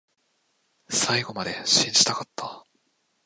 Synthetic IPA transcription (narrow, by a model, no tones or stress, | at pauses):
saiɡo̞mad̪e̞ɕĩɲ̟d͡ʑit̪akat̪ːa